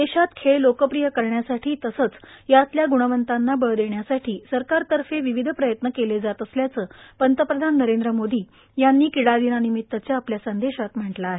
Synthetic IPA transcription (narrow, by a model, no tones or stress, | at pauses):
d̪eɕat̪kʰeɭlokəpɾijəkəɾɳjasaʈʰiːt̪əsət͡sjat̪ljaɡuɽəʋənt̪anːabəɭd̪eɳjasaʈʰiːsəɾkaɾt̪əɾfeʋiʋid̪ʱəpɾəjət̪nəkeled͡zat̪əsljat͡səːpənt̪əpɾəd̪ʱanːəɾend̪ɾəmod̪iː | janːiːkiɽad̪inanimit̪ːət͡ɕjaːpljasənd̪eɕat̪m̤əɳʈlaːɦe